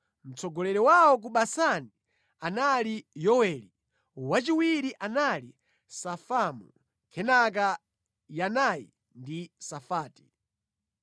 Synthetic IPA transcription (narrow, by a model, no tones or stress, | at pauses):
m̩t͡sɔɡɔlɛɾɛwawɔk̬uɓasani | analijɔwɛli | wat͡ʃiwiɾiʔanali | safamu | kʰɛnak̬a | janajḭ | ndisafaːti̥